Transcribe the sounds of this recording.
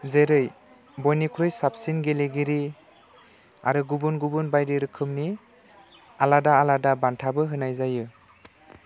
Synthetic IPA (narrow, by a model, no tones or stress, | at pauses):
zeɾɯj | bɔjnikʰɾojsap̚sinɡeleɡiɾi | a̰ɾɯɡubunɡubunbajdiɾɯkʰɯmni | aladaːladabantʰabɯɦɯnajzajɯ